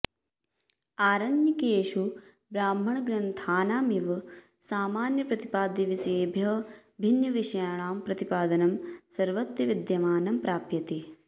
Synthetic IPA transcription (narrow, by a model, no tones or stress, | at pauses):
aːɾɐnjɐkeːʃu | bɾaːm̤ːɐɳɐɡɾɐnt̪ʰaːnaːmiʋ | saːmaːnjɐpɾɐt̪ipaːd̪jiʋiseːbʱjɐbʱinjɐʋiʂɐjaːɳaːmpɾɐt̪ipaːd̪ɐnɐmsɐɾʋɐt̪jɐʋid̪jɐmaːnɐmpɾaːpjɐt̪i